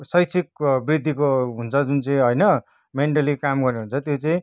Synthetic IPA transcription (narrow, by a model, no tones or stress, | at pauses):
sʌjt͡sʰik̚brid̪ʱːikoɦunt͡sʰʌd͡zunt͡sʌĩɦʌjnʌ | meɳʈʌlikamɡʌrneɦunt͡sʰʌt̪jot͡sʌĩ